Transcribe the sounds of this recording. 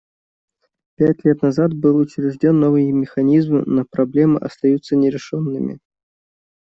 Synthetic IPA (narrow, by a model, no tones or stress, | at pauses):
pʲætʲlʲet̪nɐzat̪bɨlˠʊt͡ɕɾʲɪʐdʲo̞nːo̞vɨjəmʲɪxɐnʲizmɨ̰nəpɾɐblʲe̞mɨʔɐ̰st̪ɐjut̪sənʲɪɾʲɪʂonːɨmʲɪ̰